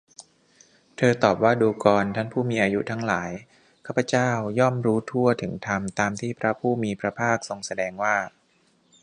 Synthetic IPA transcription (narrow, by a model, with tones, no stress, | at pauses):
t̪ʰɤː˧t̪ɔː˨˩p̚waː˥˩duː˧kɔː˧nt̪ʰa˥˩npʰuː˥˩miː˧ʔaː˧ju˦˥t̪ʰa˦˥ŋlaː˩˦j | kʰa˦˥˩pʰːa˧t͡ɕaː˥˩wjɔ˥˩mɾuː˦˥t̪ʰu˥˩ɐt̪ʰɯ˩˦ŋt̪ʰa˧mt̪aː˧mt̪ʰiː˥˩pʰɾa˦˥pʰuː˥˩miː˧pʰɾa˧pʰaː˥˩k̚so˧ŋsa˧dɛː˧ŋwaː˥˩